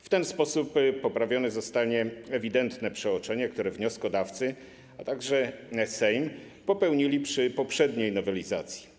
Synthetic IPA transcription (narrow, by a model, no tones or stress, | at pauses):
ft̪ɛnspɔsupːɔpɾavʲjɔnɛzɔst̪aɲɛɛvʲid̪ɛnt̪nɛpʂɛɔt͡ʂɛɲɛkt̪uɾɛvɲɔskɔd̪aft̪sɘ | at̪aɡʐɛsɛjm | pɔpɛwɲilʲipʂɘpɔpʂɛd̪ɲejnɔvɛlʲiza̰t̪sʲji̥